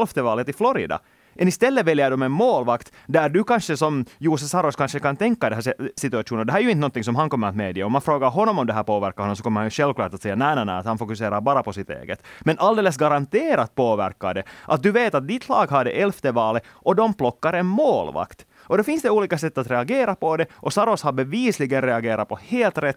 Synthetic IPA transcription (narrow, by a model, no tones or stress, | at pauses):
lft̪əvɑːlət̪ɪflɔɾɪ̰d̪ɑ̰ | mɛnɪst̪ɛlːəvɛljəɖɔmɛnmoːlvakt̪ | d̪æɾɖʉkanʂəsɔmjuːs̬ɛsɑɾɔskanʂəkant̪ʰɛŋkːad̪ɛɦæːsɪt̪ʉɑʂuːnnd̪ɛɦæːɾæjʉɪnt̪nɔnt̪ːɪŋsɔmɦankɔmːəɾat̪meːd̪ɪaɔmanfɾoːɡaɾɦɔnːɔmɔmd̪ɛɦæːɾpʰoːʋæɾkaɾhɔnːɔmsɔkɔmːəɾhanjʉʂɛlvklɑːʈat̪sɛjːanæːnænæ̰ːat̪hanfɔkʉseːɾaɾbɑːɾapɔsɪt̪ḛːɡət̪mɛnʔɑld̪eːləs̬ɡaɾant̪eːɾat̪̚poːvæɾkːaɖɛʔat̪̚d̪ʉveːt̪at̪̚d̪ɪt̪ʰlɑːɡɦad̪ɛʔɛlft̪əvɑːlə | ʔɔd̪ɔmplɔkːaɾɛnmoːlʋɑ̰kt̪ | ɔd̪ofɪnsd̪ɛuːliːkasɛt̪ːat̪ɾɛɑɡeːɾapɔd̪ɛʔɔsɑɾɔshabɛviːslɪɡənɾɛɑɡeːɾapʰɔheːlt̪ɾɛt̪ː